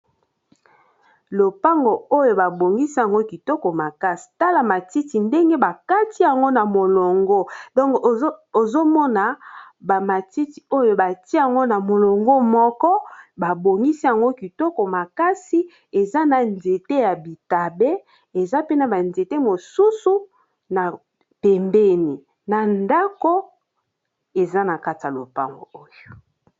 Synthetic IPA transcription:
lo˨pa˦ŋɡo˨o˦jo˨ba˨bo˨ŋɡi˦si˦ja˨ŋɡo˦ki˨tɔ˦kɔ˨ma˨ka˦si̥˨ta˦la˨ma˨ti˦ti˨nde˦ŋɡe˦ba˨ka˦ti˦ja˨ŋɡo˦na˨mo˨lo˨ŋɡɔ˦dɔ˦ŋ˨˦o˨zo˦mɔ˦na˨ba˨ma˨ti˦ti˨o˦jo˨ba˨ti˦ja˨ŋɡo˦na˨mo˨lo˨ŋɡo˦mɔ˦kɔ˦ba˨bo˨ŋɡi˦si˦ja˨ŋɡo˦ki˨tɔ˦kɔ˨ma˨ka˦si˦ | e˨za˦na˨nze˨te˦ja˨bi˨ta˨be˦ | e˨za˦pe˦na˨ba˨nze˨te˦mo˨su˦su˦ | na˨ | pe˨mbe˦ni˨ | na˨nda˦ko˦ | e˨za˦na˨ka˦ta˨lo̰˨pa̰˦˨ŋɡo̰˨o˦jo˨

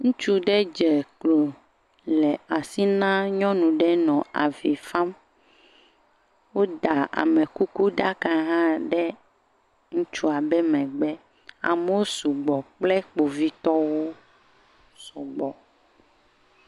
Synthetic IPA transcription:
ŋũ˦t͡ʃu˦ɖɛ˦d͡ʒɛ˨klo˨ | lɛ˨a˨si˦nã˦ɲɔ̃˦nũ˨ɖɛ˦nɔ̃˨a˨vi˨fa˦m | wo˦d̪a˨a̰˨mɛ˨ku˦ku˦ɖa˦ka˦ɦã˦ɖɛ˦ | ŋũ˦t͡ʃu˦a˨bɛ˦mɛ̃˨ɡ͡bɛ˦ | a̰˨me˦wo˦su˨ɡ͡bɔ˨k͡plɛ˦k͡po˨vi˦t̪ɔ˦wo˦ | sɔ˨ɡ͡bɔ˨

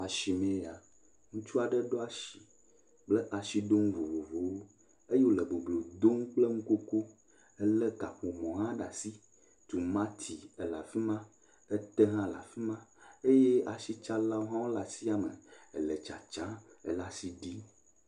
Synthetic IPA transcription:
a˨ʃi˨mẽ˨˦ja˨ | ŋũ˦t͡ʃu˦a˨ɖɛ˦ɖo˦a˦˨ʃi˨ | k͡plɛ˦ʔa˨ʃi˦ɖ̪o˦ŋ˦vo˨vo˨vo˨wo˦ | e˦je˦wo˦lɛ˨bo˨ɡ͡blo˨d̪o˦ŋ˦k͡ple˦ŋũ˦ko˦ko˦ | ɛ˦lɛ˦ka˨ɸo˨mɔ̃˨ɦã˦ɖa˨si˦ | t̪u˨mã˦t̪ʰi˨ɛ˨la̰˨fi˦mã˦ | ɛ˦t̪ɛ˦ɦã˦la̰˨fi˦mã˦e˦je˦ʔa˨ʃi˦t͡ʃa˦la˦wo˦ɦã˦wo˦la˨si˦a˨mə̰˨ɛ̰˨lɛ˨t͡ʃa˨t͡ʃã˦ | ɛ˨la˨si˦ɖi˦

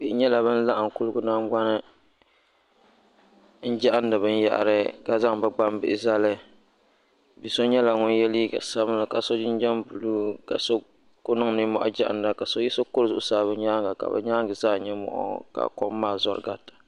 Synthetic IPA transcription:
b̥i˨ɪ˨ɲɛ˦la˨bɨ˦n̩˦la˦ʔa˨ŋ˨ku˦lɨ˦ɡʊ˦na˦ŋɡ͡ba˦nɨ˦ | n̩˦d͡ʒa˦ʔa˦n˦dɨ˨bɨ˦n˦ja̰˦ʔa̰˨ɾɨ˦ɡa˦za˦ŋbɨ˦ɡ͡ba˦mbɪ˦ʔɪ˨za˦lɨ˦ | bi˨so˦ɲɛ˦la˨ŋʊ˦n˦jɛ˦li˦ɡa̰˨sa˦m˦la˦ka˨so˦d͡ʒɪ˦n˦d͡ʒɛ˦mbu˨luː˦ka̰˨so˦ | kʊ˦nɨ˦ŋ˨nɨ˦mɔ̰˦˨ʔɔ̰˦d͡ʒa˦ʔa̰˨nda˨ka˨so˦ji˦so˦kʊ˦ɾzʊ˦˨ʔʊ˦saː˦βɨ˦ɲaː˦ŋɡa˨ka̰˨bɨ̰˨ɲaː˦ŋɡɨ˨zaː˦˨ɲɛ˦mɔ̰˨ʔɔ̰˦ka̰˨kɔ˦mː˦aː˦˨zɔ˦ɾɨ̰˨ɡa˦tḁ˨

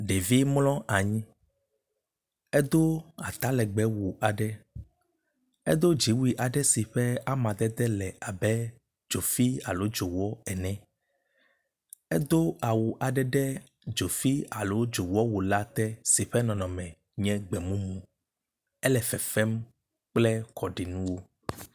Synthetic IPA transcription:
ɖe˨vi˦mlɔ̃˦a˨ɲĩ˦ | ɛ˦d̪o˦a̰˨t̪a˦lɛ˨ɡ͡bɛ˦wu˨ʔa˨ɖɛ˦ | ḛ˦d̪o˦d͡ʒi˨˦wu˦i˨ʔa˨ɖɛ˦si˨ɸɛ˦a˦mã˨d̪ɛ˦d̪ɛ˦lɛ˨a˨bɛ˦ | d͡ʒo˨fi˦a˨lo˦d͡ʒo˨wɔ˦ɛ˨nɛ̃˨ | ɛ˦d̪o˦a˨wu˨ʔa˨ɖɛ˦ɖɛ˦ | d͡ʒo˨fi˦a˨lo˨˦d͡ʒo˨wɔ˦wo˨la˦t̪ɛ˦si˨ɸɛ˦nɔ̃˨nɔ̃˨mɛ̃˨ | ɲɛ̃˦ɡ͡bɛ˨mũ˦mũ˨ | ɛ˦lɛ˨fɛ˨fɛ˦m | k͡plɛ˦kɔ˨ɖi˨nũ˦wo˦

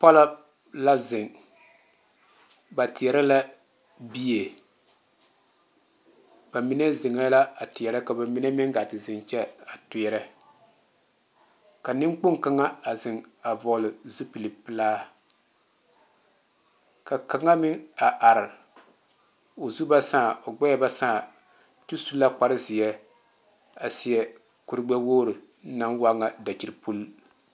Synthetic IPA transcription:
pa˦la˦ | la˦zɪ˨ŋ | ba˨tɪ˨ɛ˨ɾa˦la˦ | bi˦je˨ | b̥a˨mi˦nɛ˦zɪ˨ŋa˦la˦a˨tɪ˨ɛ˨ɾɛ˦ka˨ba˨mi˦nɛ˦mɪ˦ŋ˦ɡa˨tɪ˨zɪ˨nt͡ʃɛ˦a˨tʊ˨ɛ˨ɾɛ˦ | ka˨nɪ˦ŋ˦k͡pʊ˦ŋka˦ŋa˦a˨zɪ˨ŋa˨vɔ˨lɪ˨zu˦pi˨lɨ˨pɨ˦laː˦ | ka˨ka˨ŋa˦mɪ˦a˨ʔa˨ɾɪ˨ | o˨zu˦ba˦saː˦˨o˨ɡ͡bɛ˦a˦ba˦sa˦˨ | tu˦su˦lːa˦k͡pa˦ɾɨ˦zɪ˨jɛ˦ | a˨si˦jɛ˦ | ku˦ɾɨ˦ɡ͡bɛ˦woː˦ɾɨ˨˦ | na˦nwa˦ŋa˦da˨t͡ʃi˨˦ɾpu˦l

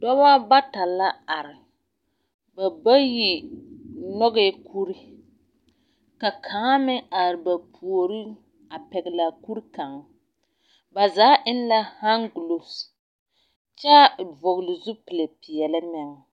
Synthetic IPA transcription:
dɔ˦ba˦ba˦ta˨la˦a˨ɾɪ˨ | ba˨ba˦ji˨ | nɔ˦ɣɛ˦kʰu˦ɾi˦ | ka˨kʰa˨˦ŋa˦mɪ˦a˨ɾɪ˨ba˨pʰu˨o˨ɾi˦ | a˨pɛ˨ɡɪ˨la˨ku˦ɾka˨ŋ˦ | ba˨zaː˨˦ʔɪ˦n˦la˦ha˦ŋɡu˨lo˨s | t͡ʃa˦˨vʊ˨ɡlɪ˨zʊ˦pɪ˨le˨pɪ˨jɛ˨lɪ˦mɛ˨ŋ˨

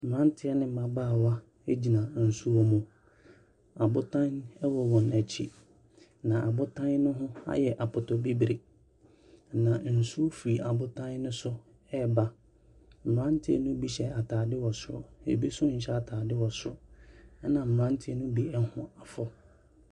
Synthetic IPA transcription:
m̩˨ã˦n˦tʰɪ˦ɛ˦nɪ̃˦m̩˨mã˨baː˦˨wa˦ | e˦d͡ʑi˨nã˨n̩˨su˦ɔ˦mũ˨ | a˨bʊ˦tʰã˦nɛ˦wɔ˨wɔ̃˨næ˨t͡ɕʰḭ˦ | nã˨ʔa˨bʊ˦tʰã˦n˦nʊ̃˦ɦʊ̃˦a̰˦jɛ˨ʔa˨pʰʊ˨tʰɔ˨bi˦bɾe˨ | nã˨n̩˨su˦o˦fi˨a˨bʊ˦tʰã˦nː˦ʊ̃˦sʊ˦ | ɛ˦˨ba˦ | m̩˨ɾã˦n˦tʰɪ˦ɛ̰˨nʊ̃˦bi˦ɕɛ˨a˨tʰaː˨dɪ˦wɔ˨sʊ˦ɔ̰˨ḛ˨bi˦sʊ˦ɲ̩˨ɕɛ˦a˨tʰaː˨dɪ˦wɔ˨sʊ̰˦ | nã˨m̩˨ɾã˦n˦tʰɪ˦ɛ˦nʊ̃˦bi˦ɛ˦hʊ̰̃˨a˨fɔ˦

